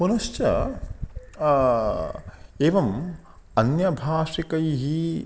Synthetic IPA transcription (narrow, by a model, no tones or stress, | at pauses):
punɐʃt͡ʃɐ̰ | eːʋɐm | ɐnjɐbʱaːʂikɐjɦi